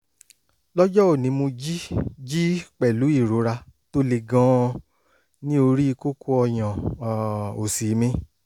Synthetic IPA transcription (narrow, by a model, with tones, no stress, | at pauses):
lɔ˦d͡ʒɔ˦o˦˨nĩ˨˧˦mo˧d͡ʒi˦d͡ʒi˦k͡pɛ˨lu˨˦i˦˨ɾo˨˦ɾa˧to˦le˧ɡã˦ | nĩ˦o˧ɾi˦i˧ko˦ko˦ɔ˧j̃ã˨ | o˨si˨˦mĩ˦